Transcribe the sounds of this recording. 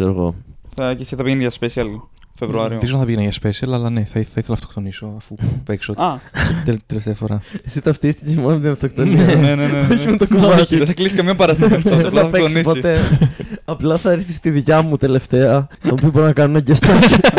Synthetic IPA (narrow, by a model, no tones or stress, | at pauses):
seɾoɣo̰θɐcesiθɐpiʝeniʝɐspesiɐlfevɾuɐɾioizonθɐpiʝenɐʝɐspesiɐlɐlɐneθɐiθɐiθelɐnɐft̪okt̪o̞niso̞ɐfupeksoɐet̪eleft̪eɐfoɾɐesit̪ɐft̪ist̪ecemonɐmt̪inɐɱft̪ok̚t̪onieeneneoçimut̪okomɐciðeθɐklisikɐmɲɐpɐɾɐst̪elɐpeosnispot̪e̞ | ɐplɐθɐeɾθist̪iðicɐmut̪e̞le̞ft̪e̞ɐt̪oopioboɾonɐkɐnunɐɟest̪o